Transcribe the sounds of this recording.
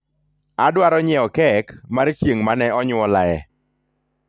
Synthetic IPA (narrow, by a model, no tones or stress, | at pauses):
adwaɾɔɲɛɔkɛkmaɾt͡ʃjeŋmanɛɔɲʊɔlaɛ